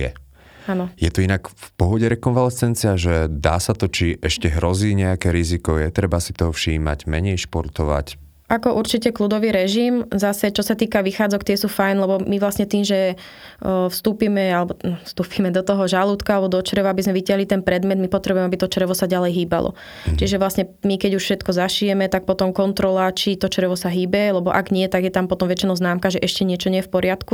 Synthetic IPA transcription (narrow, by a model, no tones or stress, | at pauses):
ɛ̰ | aːnɔjɛt̪ɔinakfpɔɦɔɟɛɾɛkɔnʋalɛsɛnt͡siaʒɛd̪a̰ːsat̪ɔt͡ʃiʔɛʃcɛɦɾɔziːɲɛakɛɾizikɔjɛt̪ɾɛbasit̪ɔɦɔfʃiːma̰ɟmɛɲɛjʃpɔɾt̪ɔʋa̰c | ʔakɔʔuɾt͡ʃicɛklud̪ɔʋiːɾɛʒimzasɛt͡ʃɔsat̪iːkaʋixaːd͡zɔkt̪ɪɛsuːfajnlɛbɔmiʋlasɲɛt̪iːmʒɛ | fst̪uːpimɛalɛbɔfst̪uːpimɛd̪ɔt̪ɔɦɔʒalut̪kaalɛbɔd̪ɔt͡ʃɾɛʋaabizmɛʋicaɦlit̪ɛnpɾɛd̪mɛd̪mipɔt̪ɾɛbuɛmɛabit̪ɔt͡ʃɾɛʋɔsaɟalɛjɦiːba̰lɔ̰ | t͡ʃiʒɛʋlasɲɛmikɛɟuʃfʃɛt̪kɔzaʃijɛmɛt̪ak̚pɔt̪ɔmkɔnt̪ɾɔlat͡ʃit̪ɔt͡ʃɾɛʋɔsaɦiːbɛlɛbɔʔaɡɲɪɛt̪aɡjɛt̪ampɔt̪ɔmʋɛt͡ʃinɔʊznaːmkaʒɛʔɛʃcɛɲɪɛt͡ʃɔɲɪɛjɛfpɔɾɪat̪ku